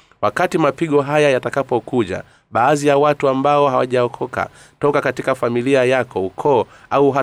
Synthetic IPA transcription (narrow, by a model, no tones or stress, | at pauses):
wakatimapiɠɔɦajajatakapɔkuʄa̰ | ɓaːzijawatuambaɔɦawaʄaɔkʰɔka̰ | tɔkakatikafamiliajakɔukʰɔːauɦa